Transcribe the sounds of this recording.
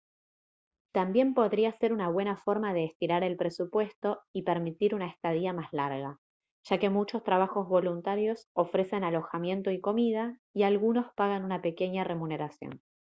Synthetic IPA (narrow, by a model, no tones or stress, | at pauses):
t̪ambje̞mpo̞ðɾiase̞ɾunaβ̞we̞nafo̞ɾmað̞e̞ːst̪iɾaɾe̞lpɾe̞supwe̞st̪o̞ipeɾmit̪iɾunaest̪að̞iamazlaɾɣa | ʒ̥ake̞mut͡ʃo̞st̪ɾaβ̞axo̞zβo̞lunt̪aɾjo̞so̞fɾe̞se̞nalo̞xamje̞nt̪o̞iko̞mið̞aialɣuno̞spaɣanunape̞ke̞ɲare̞mune̞ɾasjo̰n